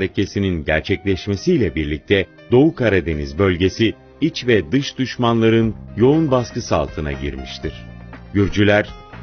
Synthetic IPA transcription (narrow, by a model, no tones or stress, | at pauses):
ɾecʰe̞sininɟæɾt͡ʃʰɛclʲɛʃme̞sijlʲɛbiɾlʲic̚t̪ʰɛ | d̪o̞ukʰaɾad̪e̞nizbø̞lʲɟe̞si | it͡ʃvɛd̪ɯʃd̪̥yʃmanlˠaɾɯnjo̞unbaskɯsa̰lˠt̪ʰɯna̰ɟḭɾmiʃt̪iɾ̥ɟyɾd͡ʒylʲæɾ̥